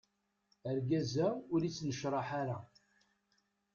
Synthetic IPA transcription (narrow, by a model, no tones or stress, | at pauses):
əɾɡæzæʊɾit͡sːnəʃɾˤɑħaɾa